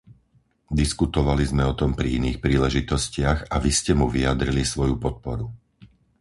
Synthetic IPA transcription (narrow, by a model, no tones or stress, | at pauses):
d̪iskut̪ɔʋalizmɛɔt̪ɔmpɾiiniːxpɾiːlɛʒit̪ɔscɪaɣaʋiscɛmuʋiad̪ɾilisʋɔjupɔt̪̚pɔ̰ɾu